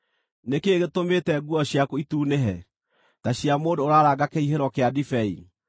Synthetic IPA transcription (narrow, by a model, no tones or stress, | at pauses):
nekeɣetomeːtɛɡwɔɕjakoituːneɦɛ | taɕiamoːdoːɾaɾaɡakeiɦeɾɔkeadifɛḭ